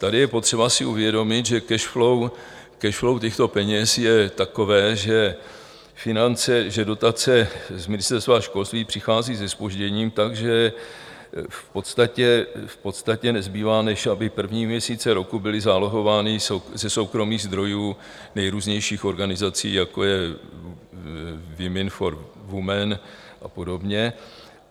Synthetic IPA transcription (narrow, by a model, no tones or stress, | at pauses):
t̪adɪjɛpo̞t̪r̥ɛbasɪʔuvjɛdo̞mɪt̪ʒɛkɛʃflow | kɛʃflo̞wc̪ɛxt̪o̞pɛɲɛsjɛt̪ako̞vɛːʒɛ | fɪnant͡sɛʒɛdo̞t̪at͡sɛzmɪnɪst̪ɛɾst̪vaaʃko̞lst̪viːpr̥ɪxaːziːzɛspo̞ʒɟɛɲiːmt̪aɡʒɛ | fpo̞t̪st̪acɛfpo̞t̪st̪acɛnɛzbiːvaːnɛʃʔabɪpr̩vɲiːmɲɛsiːt͡sɛɾo̞kubɪlɪzaːloɦo̞vaːnɪsozɛso̞wkɾo̞miːɣzd̪ɾo̞juː | nɛjɾuːzɲɛjʃiːxo̞ɾɡanɪzat͡sḭːjako̞jɛ | vɪmɪnfo̞ɾvumɛn | ʔa̰po̞do̞bɲɛ